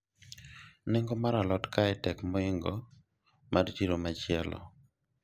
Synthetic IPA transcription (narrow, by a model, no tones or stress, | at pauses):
nɪŋɡomaɾalɔtkaɛtɛkmɔɪŋɡɔ | madtiɾomat͡ʃɪɛlɔ̰